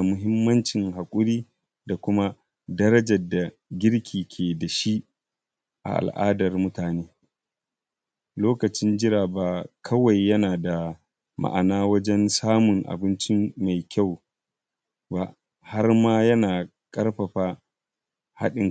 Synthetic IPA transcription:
mʊ˦ɦɪ˦mːɐ˦nt͡ʃɪ˨ŋɦa˨kʷʼʊ˦ɾiː˦ | da˨kʷʊ˦ma˦ | dɐ˦ɾɐ˦d͡ʒɐ˨da˨ | ɡʲɪ˦ɽkʲʰiː˨kʲʰeː˨da˨ʃi˦ | ʔa̰˨ʔa̰˨lʔa̰ː˦dɐ˨rmʊ˦taː˨neː˦ | loː˦kɐ˨t͡ʃɪ˦nd͡ʒɪ˦ɾaː˨baː˨kʰɐ˦wa˨jːɐ˦naː˨da˨ | ma̰˨ʔa̰˨naː˦wɐ˦d͡ʒɛ˦nsaː˦mʊ˨ŋʔa̰˨bɪ˦nt͡ʃɪ˦ma˨jkʲa˦˨w | ba˦ʔ | ha˦rmaː˦jɐ˦naː˨ | kʼɐ˦rɸɐ˨ɸaː˦ | ha̰˦ɗɪ˨ŋ

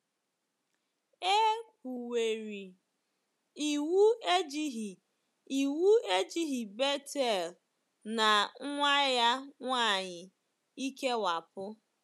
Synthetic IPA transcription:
e˦kʷu˨we˨ɾi˨ | i˨wu˦e˦d͡ʒi˦ɦi˨ | i˨wu˦e˦d͡ʒi˦ɦi˨be˦te˦˨l | na˨ŋ̩˦ŋʷa˦ja˦ŋʷaː˦˨ɲɪ˨ | i˦ke˦wa˨pʊ˦

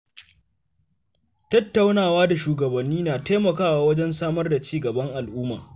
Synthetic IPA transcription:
tɐ˦tːa˦wnaː˨waː˦da˨ʃuː˨ɡɐ˨bɐ˨nːiː˦naː˨ta˦mɐ˨kaː˦waː˦wɐ˦d͡ʒɛ˦nsaː˦mɐ˦rda˨t͡ʃiː˦ɡɐ˨bɐ˦ŋʔa˨lʔuː˦ma̰ː˨

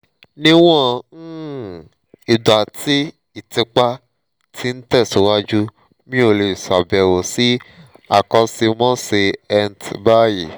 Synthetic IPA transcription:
nĩ˦w̃ɔ̃˦ | i˨da˨ti˦ | i˦˨tĩ˧k͡pa˦ | tʰi˧˦n̩˦tɛ˦˨su˨˦wa˦d͡ʒu˦ | mĩ˦o˦˧˨le˧˨sa˨bɛ˨wo˨si˦ | a̰˨kɔ̃˧si˧mɔ̃˦se˧ɛ˧ntba˦ji˨

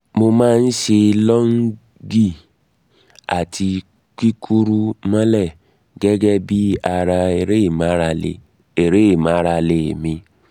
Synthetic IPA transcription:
mo˧mã˦n̩˦ʃe˧lɔ˦ŋ̩˦ | ɡi˦˨ | a̰˨tʰi˧ | ki˦kʰu˦ɾu˦ma˦lɛ˦˨ | ɡɛ˦ɡɛ˦bi˦a˨ɾa˧e˨ɾe˦˨ma˦ɾa˧lḛ˨ | e˨ɾe˦˨ma˨˦ɾa˧le˨mĩ˧

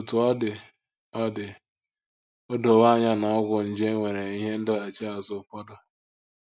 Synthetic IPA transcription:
ʊ˨tʊ˨a˦dɪ˨ | a˦dɪ˨ | o˦do˨wa˦ɲa˦na˨ɔ˦ɡʷʊ˨n̩˨d͡ʒe˦ŋʷe˨ɾe˨i˦ɦe˦n̩˦dɪ˦a˨t͡ʃe˦a˨zʊ˨kʷɔ˦dʊ˦

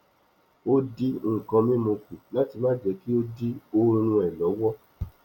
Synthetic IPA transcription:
o˦di˦ŋ̩˦˨kã˧mĩ˦mo˧kũ˨la˦ti˧mã˦d͡ʒɛ˨˦ki˦o˦di˦o˧ɾ̃ũ˧ɛ˨lɔ˨˦wɔ˦

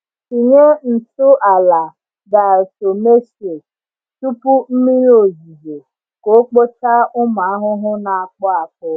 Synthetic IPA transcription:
i˨ɲe˦n̩˨tʊ˦ʔa˨la˨ | ɡa˨so˨me˦se˨ | tu˦pʊ˦m̩˦mi˦ɾo˨zi˨ze˨ | ko˦k͡po˦ta˦ʊ˦ma˨a˦ɦʊ˦ɦʊ˦na˨a˨k͡pɔ˦a˨kʊ˦

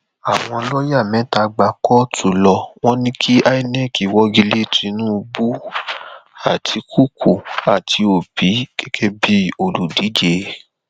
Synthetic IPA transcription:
a˨w̃ɔ̃˧lɔ˦ja˦˨mɛ̃˨˦ta˧ɡ͡ba˧kɔ˦tʰu˨lɔ˧w̃ɔ̃˦nĩ˦kʰi˦ʔa˦i˦nɛ˦˨ki˨wɔ˦ɡi˧le˦˨tɾĩ˨˧˦nũ˦˧bu˦ | a˦˨tʰi˧kʰu˦˨kʰu˨a˨tʰi˧o˨b̥i˨˦kɛ˦kʰɛ˦bi˦o˦˨lu˨di˨˦d͡ʒe˧

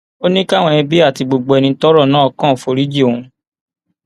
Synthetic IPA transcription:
o˦nĩ˦ka˦˨w̃ɔ̃˧ĩ˧bi˦a˦˨ti˨˧ɡ͡bo˨ɡ͡bo˧ɛ˧nĩ˧˦tɔ˦ɾɔ˦˨nãː˦ɔ˧kã˦˨fo˧ɾi˦d͡ʒi˦˨o˨ũ˧

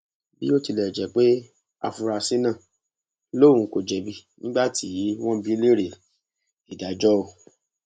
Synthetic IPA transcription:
bi˦o˦ti˧lɛ˨d͡ʒɛ˨k͡pe˦ | a̰˧fu˧ɾa˧si˦nã˦˨ | lo˦˨ũ˧˦ko˨d͡ʒɛ˨bi˧˦nĩ˦ɡ͡ba˦tʰi˨˦w̃ɔ̃˦bi˦le˦ɾe˨ | i˨da˨˦d͡ʒɔ˦o˧˨

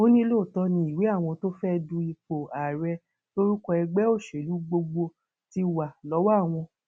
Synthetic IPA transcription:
o˦nĩ˦lo˦˨tɔ˧nĩ˧˦i˨we˨˦a˦˨w̃ɔ̃˧to˦fɛ˦dũ˧i˧k͡po˨a˨ɾɛ˧ | lo˦ɾi˦kɔ˧ɛ˧ɡ͡bɛ˨˦o˦˨ʃe˨lu˨˦ɡ͡bo˧ɡ͡bo˧ | ti˧wa˨lɔ˨˦wa˦˨w̃ɔ̃˧

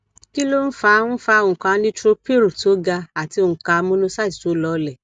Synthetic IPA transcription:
ki˦lo˦n̩˦fa˧˦ñ̩˦fa˧˦˨ũ˨kã˧˦nĩ˦tɾo˦pe˦ɾu˨to˨˦ɡa˧a˨ti˨˧õ˧˨ka˧mũ˦nũ˦sa˦˨ti̥˨to˨˦lɔ˧˦lɛ˨

